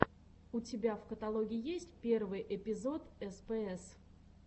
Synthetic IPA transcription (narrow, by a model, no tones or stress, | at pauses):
ʊtʲɪbʲafkət̪ɐlˠoɡʲɪɪjesʲtʲpʲe̞rvɨjʔɪpʲɪzo̞t̪ɛspɛɛs